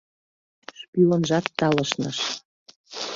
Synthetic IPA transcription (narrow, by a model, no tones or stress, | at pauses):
ʃpylə̆nʒɑt̪ːɑləʃnɤʃ